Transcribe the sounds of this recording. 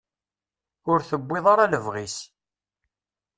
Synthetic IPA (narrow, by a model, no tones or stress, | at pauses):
ʊɾθəbːɪðˤɑɾaləvʁis